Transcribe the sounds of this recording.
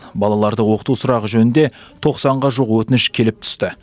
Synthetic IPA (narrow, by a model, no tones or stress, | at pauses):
bɑlˠɑlˠɑɾd̪əwo̞qə̥t̪usʊɾɑʁəʒɵnɪnd̪e̞t̪ʰo̞qsɑɴʁɑʒuqwɵt̪ɪnɪʃkʲʰe̞lɪp̚t̪ʰʏ̥st̪ɪ